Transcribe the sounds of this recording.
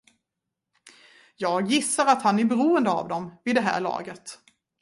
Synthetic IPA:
jɑːɡjɪsːaɾat̪hanæbɛɾuːənd̪əa̰vd̪ɔmvɪd̪ɛɦæ̰ːɭɑ̰ːɡət̪

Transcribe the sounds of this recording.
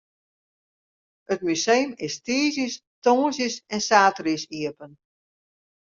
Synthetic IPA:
ətmysejnɪstiːzəs | toːsjəsɛnsaːtrisiəpən

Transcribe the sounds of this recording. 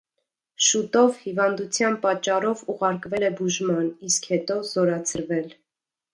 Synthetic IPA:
ʃut̪ɔvhivɑnd̪ut͡sʰjɑnpɑt͡ʃːɑrɔvuʁɑɾkvɛlɛbuʒmɑniskhɛt̪ɔzɔɾɑt͡sʰəɾvɛl

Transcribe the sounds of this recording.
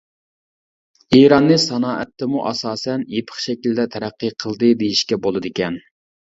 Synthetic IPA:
eɾɑnːɨsɑnɑːʔɛt̪ʰːɪmuʔɑ̰sɑːsɛnjepʰə̥χʃɛkʲild̪ɛt̪ʰɛɾæqːɨqʰəlˠd̪ɨd̪ejiʃkʲɛbolˠɨd̪ɪkʲɛn

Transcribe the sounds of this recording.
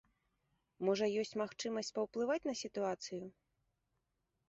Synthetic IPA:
mɔʐɐjɔsʲt͡sʲmaxt͡ʂɨmɐsʲt͡sʲpɐwplˠɨvat͡sʲnɐsʲit̪uat̪sɨju

